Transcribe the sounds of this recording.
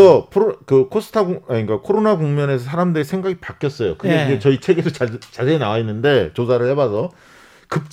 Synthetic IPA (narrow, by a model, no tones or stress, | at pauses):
ʌpʰoɾkɯkʰosʰɯ̥tʰaɡoɲik͈akʰoɾonaɡoŋmjʌne̞sʰʌsʰaɾamdɯɾesʰe̞ŋɡaɡipak͈jʌs͈ʌjo̰kɯɡeind͡ʑet͡ɕʌit͡ɕʰe̞ɡedot͡ɕat͡ɕasʰeːnawainːɯnde̞t͡ɕos̬ʰaɾɯɭhe̞basʰʌ | kɯp̚t͡ɕ